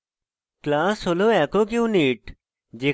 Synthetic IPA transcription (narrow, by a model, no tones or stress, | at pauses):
klaːsoːloːɛːkokjũːniːʈ | d͡ʒeː